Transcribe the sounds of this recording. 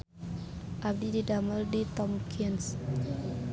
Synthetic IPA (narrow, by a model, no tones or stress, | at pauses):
ʔab̚dididaməldit̪ɔmkʰins